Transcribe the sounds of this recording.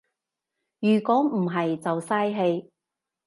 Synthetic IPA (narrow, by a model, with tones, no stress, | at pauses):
jyː˨˩kʷɔː˨˥m̩˨˩ɦɐ˨jt͡sɐ˨wsaː˥jɦe˧j